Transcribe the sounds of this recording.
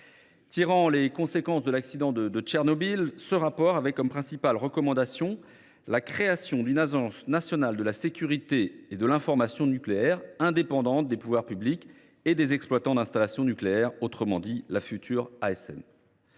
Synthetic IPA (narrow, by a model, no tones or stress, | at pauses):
t̪iʁɑ̃lekɔ̃sekɑ̃sd̪əlaksid̪ɑ̃d̪əd̪ət͡ʃɛʁnɔbilsəʁapɔʁavɛkːɔmpχɛ̃sipalʁəkɔmɑ̃d̪asjɔ̃ | lakχeasjɔ̃d̪ynaʒɑ̃snasjɔnald̪əlasekʲyʁit̪eːd̪əlɛ̃fɔʁmasjɔ̃nykleɛʁɛ̃d̪epɑ̃d̪ɑ̃t̪̚d̪epuvwaʁpyblik | ed̪ezɛksplwat̪ɑ̃d̪ɛ̃st̪alasjɔ̃nykleɛʁot̪χəmɑ̃d̪ilafyt̪ʰyʁaɛsɛ̰n